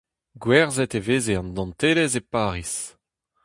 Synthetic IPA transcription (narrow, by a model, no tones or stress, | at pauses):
ɡwɛʁzɛt̪eveːzeɑ̃nd̪ɑ̃nt̪eːlɛzepaːʁis